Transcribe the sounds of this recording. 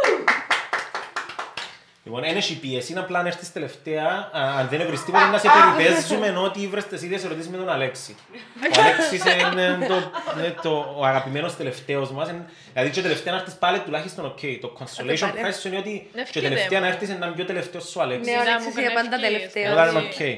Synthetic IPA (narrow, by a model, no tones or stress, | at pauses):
lḭponeneʃipiesinaplaneɾθist̪eleft̪eɐːnðenevɾist̪imosenːɐsepeɾivezːumeno̞t̪ivɾest̪esiðɐseɾot̪isizmet̪o̞naleksi | oaleksisenent̪onet̪oaɣapimeno̞st̪eleft̪eozmɐsen | ilɐðit͡ʃot̪eleft̪eɐneɾt̪ispalet̪ːulaçist̪o̞nocʰːejt̪o̞kʰonsoleʃonkajssːuineot̪it͡ʃet̪eleft̪eɐnɐeɾθisenːɐmjot̪eleft̪eosːualeksɐnd̪ɐlfoðɐnenokʰej